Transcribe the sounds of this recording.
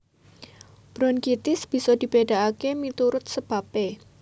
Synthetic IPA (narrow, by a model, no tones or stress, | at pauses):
b̥ɾɔnɡit̪ɪsb̥i̤sɔd̥i̤b̥eda̤akemit̪uɾʊt̪̚səb̥ape